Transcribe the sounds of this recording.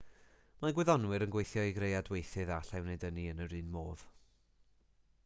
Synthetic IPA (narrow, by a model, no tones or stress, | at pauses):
maɡwɪðɔnwɨɾənɡwejθjɔiɡrejadwejθɨðaɬɛwneɨdəniənəɾɨːnmoːð̥